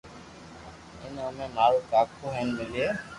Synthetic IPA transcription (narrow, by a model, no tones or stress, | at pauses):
ɪ̰nəmẽːnaːɽoːkaːkʰoːɦɛnmɪleː